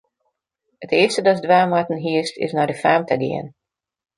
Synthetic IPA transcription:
ətɪəstədɔsdʋaːmatən̩ɦiəstʰɪ̰snadəfaːmtʰəɡɪ̰ən

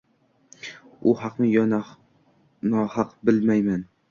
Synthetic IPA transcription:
ʊhaqnɪjɒna | nɒhɑqbɪlmajman

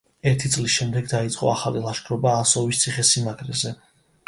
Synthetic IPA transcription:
ɛɾt̪ʰit̪sʼlisʃɛmd̪ɛɡd̪ait̪sʼqʼɔ̰aχalilˠaʃkʰʼɾɔbaːsɔvist̪sʰiχɛsimaɡʰɾɛzɛ

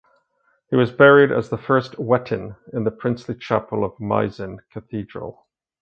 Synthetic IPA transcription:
hiwʌzbɛɹiɾɨ̰zðəfɜ˞st̚wɛʔn̩ɨ̃nðəpʰɹ̥ɪ̃nslit͡ʃʰæpl̩ˠʌvma̰ɪzɨ̃nkʰɨθidɹə̰l̩ˠ

